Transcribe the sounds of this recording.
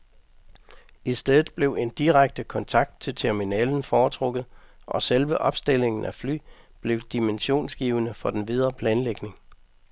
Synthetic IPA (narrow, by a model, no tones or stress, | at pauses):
isd̥eð̩ˠb̥le̝ʊe̝nd̥iʁaɡ̥̚d̥əkʰɒ̽nt͡sʰɑ̈ɡ̥̚d̥̚t͡sʰe̝lt͡sʰeɐminɛːln̩fɒːt͡sʰʁɔ̽ɡ̥ð̞̩ˠʔɒ̽selʋəʔɒ̽b̥sd̥e̝l̰e̝ŋn̩ʔæfly̰ː | b̥le̝ʊd̥imenɕo̝̰ːnsɡ̥iːʊənəfɒ̽d̥enʋið̞ˠɐpʰlɛːnleɡ̥ne̝ŋ